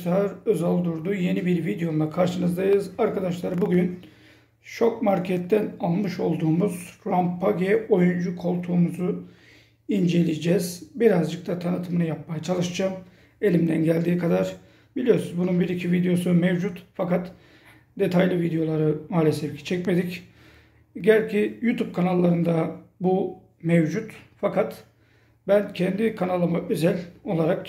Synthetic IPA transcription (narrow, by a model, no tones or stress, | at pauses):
lˠaɾø̞zalˠd̪uɾd̪uje̞nibiɾvid̪ejo̞mlˠakʰaɾʃɯnɯzd̪ajɯzaɾkʰad̪aʃlˠaɾbuɟyn | ʃo̞kmaɾcʰɛt̪ʰːænalˠmɯʃo̞lˠd̪uːmuz̥ɾampːaɡɛo̞jund͡ʒukʰo̞lˠt̪ʰuːmuzu | ind͡ʒe̞lʲid͡ʒɛz̥biɾazd͡ʒɯk̚t̪ʰat̪ʰanɯt̪ʰɯmɯnɯjap̚majat͡ʃʰalˠɯʃd͡ʒam | e̞lʲimd̪ænɟælʲd̪iːkʰad̪aɾ | bilʲijosunzbununbiɾicʰivid̪ejo̞sumevd͡ʒut̪fakat̪ | d̪e̞t̪ʰajlʲivid̪ejo̞lˠaɾɯmaːlʲesɛfcʰi̥t͡ʃʰɛcme̞d̪ic | ɟælʲcʰijut̪ʰub̚kʰanalˠːaɾɯnd̪abu | mevd͡ʒut̪fakʰat̪ | bæncʰɛnd̪ikʰanalˠɯmaʔø̞zælʲo̞lˠaɾak̚